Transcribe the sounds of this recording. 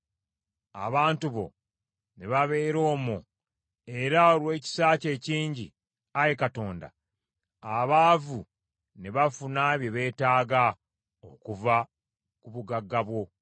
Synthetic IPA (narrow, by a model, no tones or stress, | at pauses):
a̰βaːntuβo̞̰ | ne̞βaβe̞ːɾo̞ːmu | e̞ɾaolwe̞ːci̥saːce̞ːciːɲɟḭ | ajekato̞ːnda̰ | aβaːvu | ne̞βafunaβjo̞βe̞ːtaːɡa | okuva | kuβuɡaɡːaβwo̞